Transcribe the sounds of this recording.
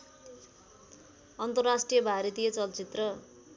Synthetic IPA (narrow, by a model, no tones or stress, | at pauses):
ʌnt̪ʌrrasʈrijʌbʱaɾet̪ijʌt͡sʌlt͡sit̪rʌ